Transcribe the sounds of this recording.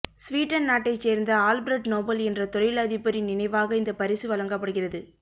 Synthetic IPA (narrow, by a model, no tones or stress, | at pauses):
sʋiːʈːɐnnaːʈːɐɪt͡ʃːeːɾnd̪ɐaːlbɾɛɖnoːbɐlɛndrɐt̪ɔɾɐɪjlɐðɪpːɐɾinɪnɐɪʋaːɣɐɪnd̪ɐpɐɾɪsɯʋɐlɐŋɡɐpːɐɽɯɣɪrɐðɯ